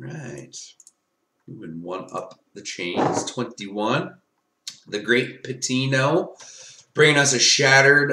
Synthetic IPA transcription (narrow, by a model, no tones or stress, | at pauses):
ɹaɪt̚ | jɨwɨd̚wʌ̃nʌ̰p̚ðɨt͡ʃʰẽɪ̃nd͡ʒd͡ʒɨ̰z̥tʰw̥ɛ̃ntiwʌ̃n | ðɨɡɹeɪt̚pʰɨtʰinoʊ | b̥ɹɪ̃ŋɪ̃ŋʌsɨʃæɾə˞d